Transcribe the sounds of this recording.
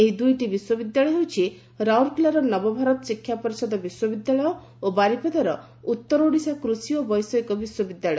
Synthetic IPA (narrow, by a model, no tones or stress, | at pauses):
eɦid̪ujʈibiswɔbid̪jaɭɔjɦewt͡ʃʰi | ɾawɾkulaɾɔnɔbɔbʱaɾɔt̪ɔsikʰːjapɔɾisɔd̪ɔbiswɔbid̪jaɭɔjɔ | obaɾipɔd̪aɾɔ | ut̪ːɔɾoɽisakɾusiɔbɔjsɔikɔbiswɔbid̪jaɭɔjɔ